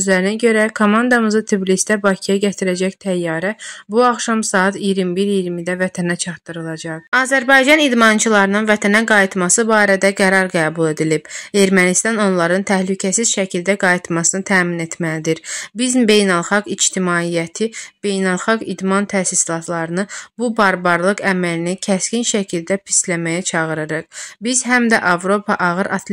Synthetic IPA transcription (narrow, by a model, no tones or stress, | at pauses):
øzlæɾinæɟø̞ɾækʰomɑnd̪ɑmɯzɯt̪ʰiblist̪æbɑcʰijɑɟæt̪ʰiɾæd͡ʒæçt̪ʰæjːɑːɾæbuɑχʃɑmsɑːɑt̪ʰijiɾimbiɾijiɾmid̪ævæt̪ʰænæt͡ʃʰɑɾt̪ːɯɾɯlˠɑd͡ʒɑqɑːzæɾbɑjd͡ʒɑnid̪mɑnt͡ʃʰɯlˠɑɾɯnɯnvæt̪ʰænæɡɑjit̪mɑsɯbɑːɾæd̪æɡæɾɑɾɡæːbulˠe̞d̪ilib̥e̞ɾmænist̪ɑno̞nlˠɑɾɯnt̪ʰæhlycʰæsiz̥ʃæcʰild̪æɡɑjit̪mɑsɯnɯt̪ʰæːmine̞t̪ʰmælid̪iɾbizmbe̞jnælˠχɑɡid͡ʒt̪imɑːijæt̪ʰib̥e̞jnælˠxɑɡid̪mɑnt̪ʰæːsislˠɑt̪ʰlˠɑɾɯnɯbubɑɾbɑɾlˠɯɡæmælinicʰæscinʃæcʰild̪æpʰi̥slæmæjæt͡ʃʰɑʁɯɾɯɾɯqbizɦæmd̪æʔɑvɾo̞pʰɑʔɑɣɯɾʔɑt̪ʰl